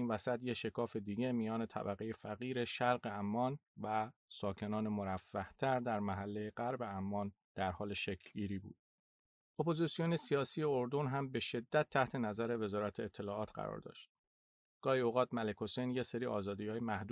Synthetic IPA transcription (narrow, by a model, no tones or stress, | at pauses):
invæsæt̪jeʃe̞kʰɒːfe̞d̪iːɟe̞mijɒːne̞t̪ʰæ̰bæɣe̞je̞fæɣiːɾe̞ʃæɾɢeæmːɒːnvæsɒːcʰe̞nɒːnemoɾæfːæht̪ʰæɾd̪æɾmæɦælːejeɢæɾbe̞æmːɒːn | d̪̥æɾhɒːle̞ʃecʰlɡiːɾiːbṵːd̪̚ | ʔo̞pʰo̞zisijo̞ne̞sijɒːsiːje̞oɾd̪o̞nɦæmbe̞ʃe̞d̪ːæt̪ʰːæht̪ʰe̞næzæɾe̞ve̞zɒːɾæt̪ʰeːt̪ʰːe̞lɒːɒːt̪ʰɢæ̰ɾɒ̰ɾd̪ɒ̰ːʃt̪̚ | ɡ̥ɒːhioɣɒːt̪mæle̞kʰo̞sejnje̞se̞ɾiːʔɒːzɒːd̪iːɒːjemæhd̪u